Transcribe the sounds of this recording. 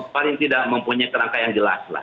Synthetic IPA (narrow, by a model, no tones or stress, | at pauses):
palɪŋt̪idaʔ̚məmpuɲajk̪əɾaŋkajaŋɡəla̰sla̰